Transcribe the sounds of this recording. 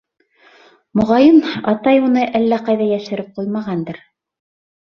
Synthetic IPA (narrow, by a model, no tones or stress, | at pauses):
mŏʁɑjɤnɑt̪ɑjunɤʔælːæqɑjðɑjæʃɘ̆ɾɘp̚qujmɑʁɑnd̪ɤɾ